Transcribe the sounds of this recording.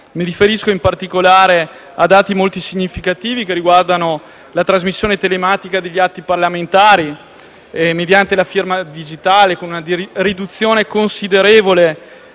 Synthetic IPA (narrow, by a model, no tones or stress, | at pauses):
miɾifeɾiskoimpart̪ikolaːɾe | ad̪aːt̪imolt̪isiɲːifikat̪iːvikeriɡward̪ano | lat̪ɾazmisːjoːnet̪elemaːt̪ikad̪eʎːiat̪ːiparlament̪aːɾi | emed̪jant̪elafirmad̪id͡ʒit̪aːlekonunad̪rid̪ut̪sːjoːnekonsid̪eɾeːvole